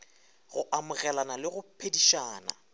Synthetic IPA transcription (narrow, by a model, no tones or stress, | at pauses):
ɣʊʔamʊɣɛlanalɪɣʊpʰediʃaːna̰